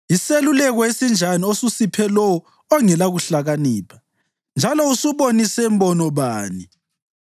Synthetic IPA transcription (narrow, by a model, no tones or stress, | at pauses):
iselulɛɣɔesind͡ʒʱaniosusipʰɛlɔwɔ | ɔŋɛlaɣuɬaɣaniːpʰḁ | nd͡ʒʱalɔusuβonisɛmbɔnɔβaːni